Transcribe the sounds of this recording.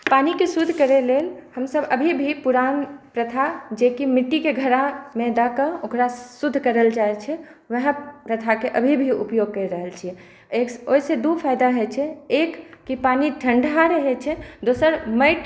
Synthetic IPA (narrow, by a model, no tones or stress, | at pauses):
panikesud̪ʱkəɾelelhəmsəbəbʱibʱipuɾanpɾət̪ʰad͡ʒekimiʈːikeɡʱəɾamẽd̪akəokɾasud̪ʱːkəɾəld͡ʒaet͡ʃʰɛ | ʋəɦpɾət̪ʰakeʔəbʱibʱiʔṵpjoɡ̚kəɾɾəɦəlt͡ʃʰiɛ | ekoised̪upʰajd̪aɦɛt͡ʃʰɛekːipaniʈʰəɳɖʱaɾeɦɛt͡ʃʰɛd̪osəɾməɪʈ